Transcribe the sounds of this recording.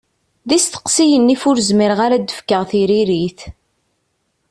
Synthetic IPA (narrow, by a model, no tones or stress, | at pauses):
ðist̪ə̥qsijənːifʊɾzmiɾʁaɾad̪ːəfkəʁθiɾiɾiθ